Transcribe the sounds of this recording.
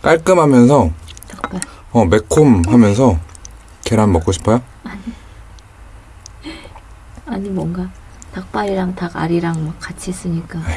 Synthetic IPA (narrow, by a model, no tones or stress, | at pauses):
k͈aɭk͈ɯmɦamjʌnsʰʌtak̚p͈a | ʌme̞kʰomɦamjʌns̬ʰʌ | keɾanmʌk͈oɕʰi̥pʰajo | aɲi | aɲimwʌŋɡa | tak̚p͈aɾiɾaŋtaɡa̰ɾiɾaŋmakk͈ːat͡ɕʰis͈ɯɲik͈a